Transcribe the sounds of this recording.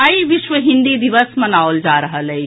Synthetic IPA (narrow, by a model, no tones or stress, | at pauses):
əiʋɪʃʋəɦɪ̃nd̪id̪iʋəsmɐnaːold͡ʒaːɾəɦələi